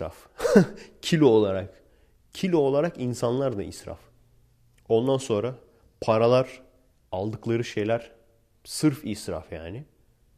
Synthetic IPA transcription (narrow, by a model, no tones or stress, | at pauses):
ɾa̰f | cʰilʲiolˠaɾak | cʰilʲio̞lˠaɾakinsanlˠaɾd̪aḭsɾa̰f | o̞nd̪anso̞nɾa | pʰaɾalˠaɾ | alˠd̪ɯklˠaɾɯʃe̞jlʲæɾ̥ | sɯɾfisɾa̰fjaːnɪ